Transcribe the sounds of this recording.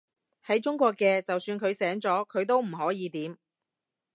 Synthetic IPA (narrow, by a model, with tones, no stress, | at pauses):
hɐ˨˥jt͡ʃʊ˥ŋkʷɔː˧kːɛː˧t͡sɐ˨wsyː˧nkʰɵ˨˧ɥsɛː˨˥ŋt͡sɔː˨˥kʰɵ˨˧ɥt̪o˥wm̩˨˩ɦɔː˨˥jiː˨˧t̪iː˨˥m